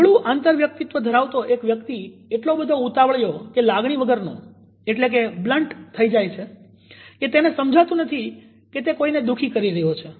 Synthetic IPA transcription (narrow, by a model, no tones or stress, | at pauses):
ɭũʔãnt̪əɾʋjək̚t̪it̪ʋəd̪ʱəɾaʋt̪oʔekʋjəkt̪ieʈlobəd̪ʱout̪aʋɭjokelaɡɳ̃iʋəɡəɾnõ̰ | eʈlek̬ebləɳʈt̪ʰːəid͡ʒajt͡ʃʰe | ket̪enesəmd͡ʒʱat̪ũnət̪ʰi | ket̪ekoined̪ukʰikəɾiɾəɦot͡ʃʰe